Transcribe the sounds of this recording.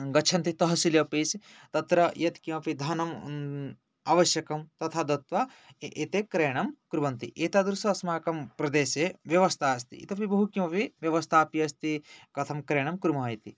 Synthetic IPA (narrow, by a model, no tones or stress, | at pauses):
ɡɐt͡ʃʰɐnt̪it̪ɐɦɐsiljɐpisi | t̪ɐt̪ɾɐjɐt̪kimɐpid̪ʱɐnɐm | aːʋɐʃjɐkɐmt̪ɐt̪ʰaːd̪ɐt̪ʋɐ | et̪eːkɾeːɳ̃ɐmkɾubɐnt̪ḭʔeːt̪aːd̪ɾusɐsmaːkɐmpɾɐd̪eːseʋjɐʋɐst̪ʰaːɐst̪ḭḭt̪ɐpibɐɦukimɐpiʋjɐʋɐst̪ʰaːpiɐst̪ikɐt̪ʰɐmkɾeːɳ̃ɐmkɾumɐjt̪i